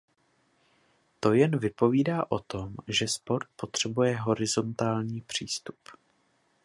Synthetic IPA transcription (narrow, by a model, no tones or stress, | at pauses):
t̪o̞jɛnvɪpo̞viːdaːʔo̞t̪o̞mʒɛspo̞ɾt̪̚po̞t̪r̝̥ɛbujɛɦo̞ɾɪzo̞nt̪aːlɲiːpr̝̥iːst̪u̥p